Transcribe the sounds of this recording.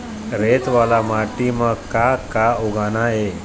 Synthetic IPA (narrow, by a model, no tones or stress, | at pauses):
ɾet̪ʋalamaʈiməɡkakauɡʱanae